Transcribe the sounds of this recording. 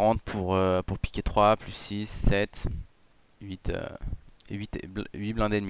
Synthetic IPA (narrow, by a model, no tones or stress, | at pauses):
ʁɑ̃t̪̚pʰuʁøpuʁpi̥kʲet̪χwaplysːisːɛt̪ | ɥit̪ø̰ḛɥit̪blɥiblɛ̃d̪ɛd̪mi